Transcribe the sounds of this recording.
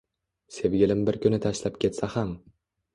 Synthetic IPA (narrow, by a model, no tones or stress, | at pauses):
se̞vɡʲɪlɪmbɪɾkʲʰʊnɪt̪ʰaʃlap̚kʲʰe̞t̪saham